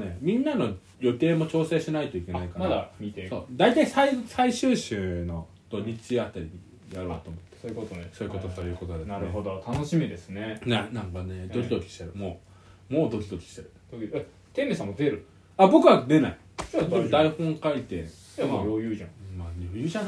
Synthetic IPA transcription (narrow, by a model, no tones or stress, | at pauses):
ne̞mʲĩnːano̞ | jo̞t̪e̞ːmo̞t͡ɕo̞ːse̞ːɕinait̪o̞ikʲe̞naikamaamieso̞̰ːd̪ait̪aisaisaiɕɨːɕɨːno̞ | d̪̥o̞ɲ̟it͡ɕiat̪ːaɾʲiɲi | jaɾo̞ːt̪oːmo̞t̪ːeso̞ːɯ̟ko̞t̪ot̪ojɯ̟ːko̞t̪od̪enaɾɯɦod̪ot̪ʰanoɕimʲid̪esɨnenanãŋkaned̪o̞kʲid̪o̞kʲi̥ɕt̪eɾɯ̟mo̞ː | mo̞ːd̪o̞kʲid̪o̞kʲi̥ɕt̪eɾɯ̟d̪oki | t̪ẽmesãmod̪eɾɯ̟ | abo̞kɯ̟βad̪e̞nai | od̪aihõ̞ŋkait̪ḛ | njojɯʑãmaɾʲo̞jɯ̟ːʑãŋ